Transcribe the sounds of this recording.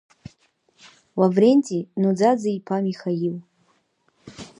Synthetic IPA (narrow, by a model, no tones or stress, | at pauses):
wavrenʲtʼinud͡zad͡zaipʰamixajil